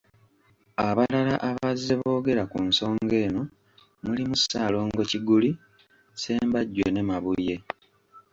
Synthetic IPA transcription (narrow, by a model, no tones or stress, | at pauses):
aβalalaʔaβazːeβo̞ːɡe̞ɾakunso̞ːŋɡe̞ːno̞ | mulimusaːlo̞ːŋɡo̞ciɡuli | se̞ːmbaɟːwe̞ne̞maβuje̞